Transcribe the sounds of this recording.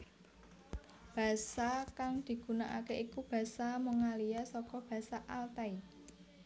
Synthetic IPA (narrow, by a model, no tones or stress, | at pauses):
b̥a̤sakaŋd̪̥i̤ɡ̥ṳnaʔa̰keʔikub̥ä̤samoŋalijasɔkɔb̥ä̤saʔalt̪ai